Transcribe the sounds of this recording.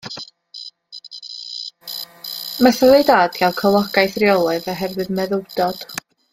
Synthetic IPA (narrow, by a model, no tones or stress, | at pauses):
maθəveɨdaːdɡ̥alˠkʰəlˠɔɡajθriɔlˠɔðɔɦɛrvɨðmɛðʊwd̥ɔd̥